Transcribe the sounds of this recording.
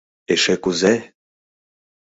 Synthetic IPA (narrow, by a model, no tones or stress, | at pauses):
eʃekuze